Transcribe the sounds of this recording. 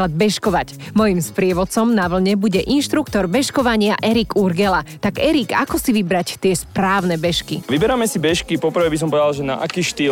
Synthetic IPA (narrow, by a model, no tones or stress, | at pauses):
ad̪̚bɛʃkɔʋac | mɔjimspɾɪɛʋɔt̪t͡sɔmnaʋl̩ɲɛbuɟɛʔinʃt̪ɾukt̪ɔɾbɛʃkɔʋaɲɪaʔɛɾiɡuɾɡɛlat̪aɡɛɾika̰kɔsiʋibɾact̪ɪɛspɾaːʊnɛbɛʃkiʋibɛɾamɛsibɛʃkipɔpr̩ʋɛbis̬ɔmpɔʋɛd̪alˠʒɛna̰ʔakiːʃt̪iː